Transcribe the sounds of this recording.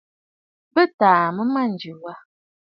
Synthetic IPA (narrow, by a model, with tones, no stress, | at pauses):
bə˦taː˨mə˦ma˦n̩˨d͡ʒʉ˨wa˦